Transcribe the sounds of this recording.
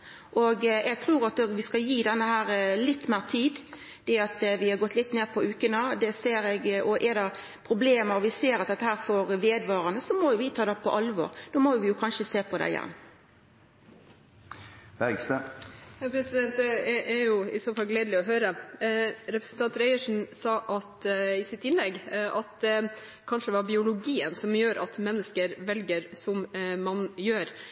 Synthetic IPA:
ʔɔɡjɛɡ̚t̪ʰɾuːɾɑt̪ʋɪskɑjiːd̪ɛnːəhæːɾlɪt̪ːmeːɾt̪ʰiːd̪ | d̪̥ɛɑt̪ʋɪhɑɡɔt̪lɪt̪neːpʰɔʉːkənəd̪ɛseːɾɛɡɔʔɛɾd̪ɛ | pʰɾʊbleːməɾʋɪseːɾɑt̪̚d̪ɛt̪ːəhæːɾfɔɾʋeːd̪ʋɑːɾənəsɔmɔjʊʋɪt̪ʰɑːd̪ɛpʰɔʔɑlʋɔ̰ːɾd̪̥oːmɔʋɪjʊkʰɑnʃəseːpʰɔd̪æ̰ɪjɛ̰nː | b̥æɡst̪əpʰɾɛsɪd̪ɛnt̪ɛɾjʊɪ̰soːfɑlɡleːd̪lɪɔɦøːɾə | ɾɛpɾə̥sn̩t̪ʰɑnt̪ɾæɪəʂn̩sɑːʔɑt̪ɪsɪt̪ːɪnlɛɡːʔɑt̪̚d̪ɛ | kʰɑnʂəd̪ɛʋɑɾbɪʊlʊɡiːənsɔmjøːɾʔɑ̰t̪mɛnːəskəɾʋɛlɡəɾsɔmmɑnjøːɾ

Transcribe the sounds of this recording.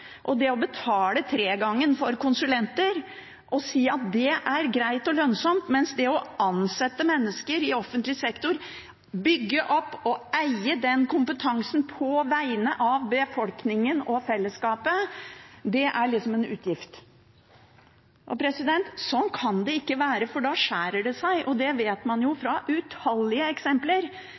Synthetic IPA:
ʔɔd̪ɛɔbət̪ʰɑːlət̪ʰɾeːɡɑŋːənfɔɾkʊnsʉlɛnt̪əɾ | ʔɔsiːɑt̪̚d̪ɛʔæɾɡɾæɪt̪ɔlœnsɔmt̪mɛnsd̪ɛɔɑnsɛt̪ːəmɛnːəskəɾɪɔfːənt̪lɪsɛkt̪ʊɾ | bʏɡːəʔɔpːɔæɪəd̪ɛnkʰʊmpət̪ʰɑŋsn̩pʰɔʋæɪənəʔɑʋbəfɔlknɪŋənɔfɛlːəskɑːpə | d̪ɛʔæɭɪksɔmɛnʉ̰ːt̪ʰjɪft̪ | ʔɔpʰɾɛsɪd̪ɛnt̪sɔnkʰɑnd̪ɛɪkːəʋæːɾəfɔɖɑʂæːɾəɖɛsæɪʔɔd̪ɛʋeːt̪mɑnjʊfɾɑʔʉt̪hɑlːɪəɛksɛmpləɾ

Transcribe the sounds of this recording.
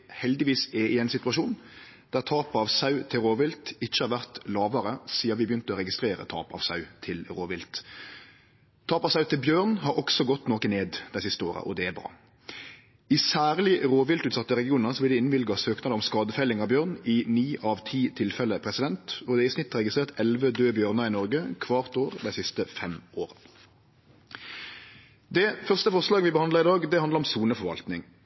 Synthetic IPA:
hɛld̪ɪʋiːsɛʔɪɛɪnsɪt̪ʉɑʂuːn | d̪̥æʁt̪ʰɑːpɑʋsɑʉt̪ʰɪlɾoːʋɪlt̪ɪc͡çəhɑɾʁʋæʁt̪lɑːʋəɾəsiːɑʋɪbəjʏnt̪əɔɾɛɡɪst̪ɾeːɾə̰t̪ʰɑ̰ːpɑ̰ʋsɑʉt̪ʰɪlɾoːʋɪlt̪ | t̪ʰɑːpɑʋsɑʉt̪ʰɪlbjøːʁnɦɑɾɔksɔɡɔt̪ːnɔːkəneːd̪d̪æɪsɪst̪əo̰ːɾə̰ʔɔ̰d̪ɛæbɾɑ̰ː | ɪsæːʁlɪʁoːʋɪlt̪ʉːt̪sɑt̪ːəʁɛɡɪuːnəsɔbɪld̪ɪɪnʋɪlɡɑsøːknɑd̪əʁɔmskɑːd̪əfɛɪlɪŋɑʋbjøːʁnɪniːʔɑʋt̪ʰiːt̪ʰɪlfɛləpʰʁɛsɪd̪ɛnt̪ɔd̪ɛɪsnɪt̪ʁɛɡɪst̪ʁeːʁt̪ɛlʋəd̪øːbjøːʁnɑɪnɔʁɡəkʰʋɑːʁt̪oːʁd̪æɪsɪst̪əfɛmoːʁə | d̪ɛfœʁst̪əfɔʁslɑːɡəʋɪbəhɑnd̪ləʁɪd̪ɑːɡd̪ɛhɑnd̪əɾɔmsuːnəfɔʁʋɑ̰lt̪nɪŋ

